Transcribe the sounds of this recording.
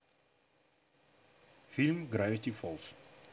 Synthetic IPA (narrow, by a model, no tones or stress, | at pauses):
fɪlmɡrœɥtifɔlˠs